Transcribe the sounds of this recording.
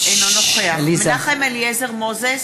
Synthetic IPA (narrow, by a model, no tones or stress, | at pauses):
enonoχealizaχemeliezeʁmoze